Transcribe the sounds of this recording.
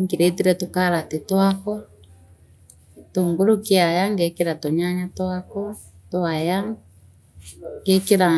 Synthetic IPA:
ŋɡiɾetiɾɛtokaɾatetwakɔ | toŋɡoɾokeajaŋɡekeɾatoɲaɲatwakɔtoaja | ŋɡekeɾa

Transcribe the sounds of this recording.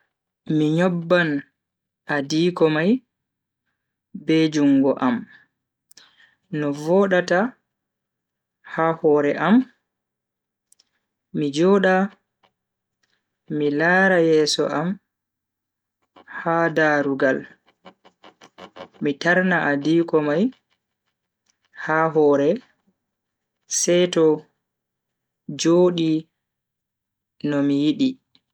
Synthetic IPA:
miɲɔbːan | adiːkɔmaj | bɛd͡ʒuŋɡɔʔam | nɔvɔːɗata | hahɔɾɛʔam | mid͡ʒɔːɗa | milaːɾajɛːsɔ̰ʔam | hadaːɾuɡal | mitaɾnaʔadiːkɔmaj | haːɦɔːɾɛ | sɛtɔ | d͡ʒoːɗi | nɔmijiɗi

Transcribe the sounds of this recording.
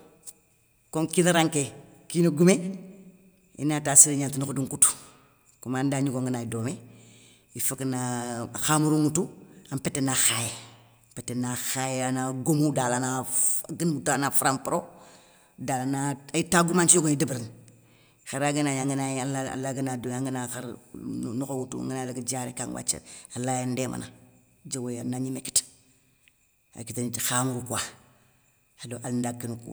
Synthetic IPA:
koŋkinaɾaŋke | kinoɡume | ḭnataːsiɾiɲaːntinukuduŋkutu̥ | kumandaːɲuɡoŋɡənaidoːme | ifaknaxamuɾuŋutuampetːenaxaje | petːenaxajanaɡomudalanaɡəndalnafuɾampɾo | dalanaaitaɡumant͡ʃioɡunidibɾin | xaɾaɡənaɲaŋɡənaalaa̰laɡənaduaŋɡənaxaɾnokowutṵŋɡənalaɡid͡ʒaɾikaŋwa̰t͡ʃḛalajandemʔa̰na̰ | d͡ʒawejanaɲimeki̥t | a̰kitinxamɡukua | adoʔalndakːinukṵ

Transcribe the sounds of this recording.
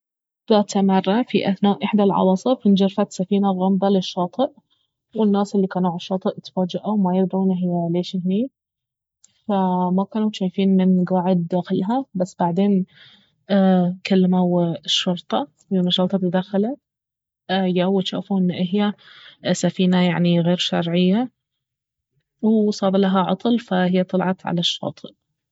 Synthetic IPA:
ðaːt̪amɑrˤːɑfiʔaθnaːʔɪħd̪alʕɑ̰wɑsˤɨfind͡ʒɑɾfat̪safiːnaɣɑmðˤɑlɪʃːɑːt̪ˤɨʔ | wɪnːaːsɪlːikaːnuʕaʃːɑːt̪ˤɨʔt̪faːd͡ʒaʔawmajɪɾd̪ʕuːnɪɦɪjːaleːʃɪhni | famakaːnuʃaːjfiːnmɪnɡaːʕɪd̪̚d̪aːxɪlɦabasːb̥aʕd̪eːnː | kalːamawʃːʊɾt̪ˤɑ | wmɑʃɑɾˤt̪ˤɑt̪d̪axala | jawɪʃa̰ːfuʔɪnːʔɪɦjasafiːnajaʕniɣeːɾʃɑɾˤʕɪjːa | wsˤɑːbalaɦaʕɑ̰t̪ˤɨlfahɪjːat̪ˤɑlʕɑt̪ʕa̰laʃːɑ̰ːt̪ˤɨʔ

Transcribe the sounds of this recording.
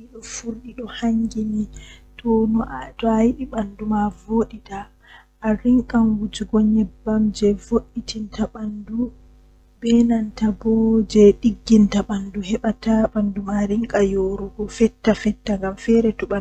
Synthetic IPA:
iɗɔfuɾɗiɗɔhaŋɡinitʰɔnɔʔtɔajiɗiɓandumavoːɗitaː | ɾiŋkʼanwud͡ʒuɡɔɲɛbamd͡ʒɛvoɗːitintaɓandu | bɛnantabɔd͡ʒɛɗiɡːintaɓanduhɛɓataɓandumaɾiŋkʼajoɾuɡɔfɛtːafɛtːaŋɡamfɛɾɛtuɓa

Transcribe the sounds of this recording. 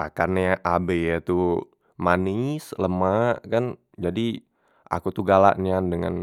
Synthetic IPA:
ʔakanjaʔabejat̪u | manɪsləmaʔkan | d͡ʒadi | ʔa̰kut̪uɡala̰ʔnandəŋa̰n

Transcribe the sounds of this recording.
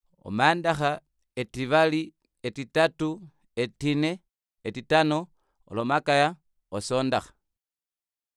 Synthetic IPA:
o̰maːndaxa | etiβali | etitatu | etine̞ | etitano | o̰lomakaja | oso̞ːndaxḁ

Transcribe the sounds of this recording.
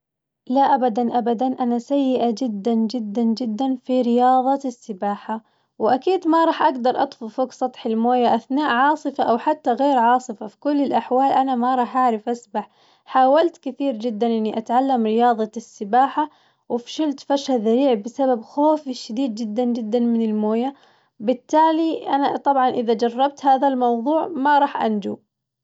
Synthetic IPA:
laʔabad̪anʔabad̪anʔanasajːɪʔad͡ʒɪd̪ːand͡ʒɪd̪ːand͡ʒɪd̪ːanfiɾɪjɑːðˤɑsːɪbaːħa | wɪʔakiːd̪maɾˤɑːħʔaɡd̪ɑɾˤʔɑ̰t̪ˤfʊfʊksˤɑt̪ˤħɪlmoːjaʔaθnaːʔʕɑːsˤɨfaʔawħat̪ːaɣeːɾʕɑːsˤɨfafi̥kʊlːɪlʔaħwaːlʔanamaɾˤɑːħʔaʕɾɪfʔasbaħ | ħaːwalt̪kɪθiːɾd͡ʒɪd̪ːanʔɪnːiʔat̪ʕalːamɾɪjɑːðˤɑsːɪbaːħa | wɪfʃɪlt̪faʃaðaɾiːʕbɪsababxoːfiʃad̪iːd̪̚d͡ʒɪd̪ːand͡ʒɪd̪ːanmɪnɪlmoːja | bɪt̪ːaːliʔanat̪ˤɑbʕɑnʔɪðad͡ʒɑrˤːɑb̚t̪haːðalmɑwðˤuːʕmaɾˤɑːħʔa̰nd͡ʒṵ

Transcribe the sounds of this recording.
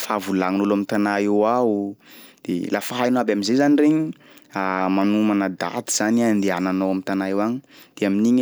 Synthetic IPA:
favulaŋnulamit̪anaewaud̪̥ḛlʔafaɦajnuabaminzezanireɲi | amanumanəd̪a̰t̪iz̥aniand̪eananowamint̪anajewaɲid̪̥eaminiɲ

